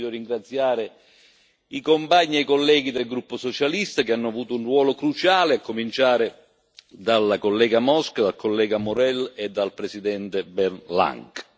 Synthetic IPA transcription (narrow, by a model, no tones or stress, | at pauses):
d̪oriŋɡɾat̪sːjaːɾɪ | ikompaɲːiɛikolːɛːɡid̪elɡɾupːosot͡ʃalist̪akeanːʊavuːt̪ʊunrwɔːlokɾut͡ʃaːleakːomint͡ʃaːɾɪ | d̪alːakolːɛːɡamɔskad̪alkʰolːɛːɡamʊɾɛled̪ːalpɾesid̪ɛnt̪ɪbɛrnla̰ŋk